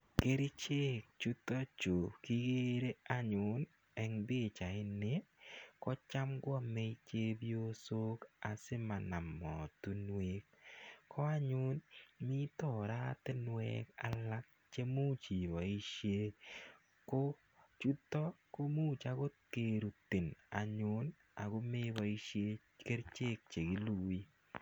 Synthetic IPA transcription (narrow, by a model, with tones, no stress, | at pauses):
ke˦ɾi˦t͡ʃe˦k̚t͡ʃu˦tɔ˦t͡ʃo˨ki˦ɡe˦ɾe˦a˦ɲʊ˨˦n | ɛ˨ŋbɪ˦˨t͡ʃa˨ɪ˦nɪ˦kɔ˦t͡ʃa˦mɡwɔ˦˨mɛ˦i˦t͡ʃe˦bjo˦so˦ka˨sɪ˦ma˨na˨mɔ˨tu˦nwe˦k̚kʰːɔ˦a˦ɲʊ˦nmi˦tɔ˨ɾa˦tɛ˦nwɛ̰˦ka̰˨la˦k̚ | t͡ʃe˦mu˦t͡ʃi˨ba˨i˦ʃje˦ | ko˦ | t͡ʃu˦tɔ˦ko˦mu˦t͡ʃa˦ɡo˦ke˦˨ɾu˨t̪ɪ˨na̰˨ɲʊ˦n | a˨ɡo˦me˦ba˨i˦ʃje˦ | ke˦ɾt͡ʃe˦k̚t͡ʃe˨ɡi˦lu˨wi˦